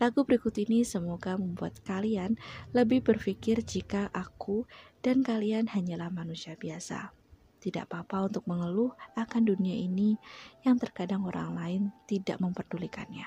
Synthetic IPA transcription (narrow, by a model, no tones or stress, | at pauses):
laɡubəɾikʊt̪inisəmoɡaməmbua̰t̪̚kalianləbɪhbərfikɪrd͡ʒikaʔakud̥ankalianhaɲalahmanusiabiasa̰ | t̪ida̰ʔpapaunt̪ʊk̚məŋəlʊhakanduniaʔinijaŋt̪ərkadaŋoɾa̰ŋlaɪnt̪ida̰ʔməmpərdulikanɲa